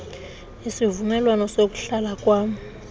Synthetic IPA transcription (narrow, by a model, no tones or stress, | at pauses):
isivumɛlwanɔsok̬ʼu̥ɬalakʼwaːm̩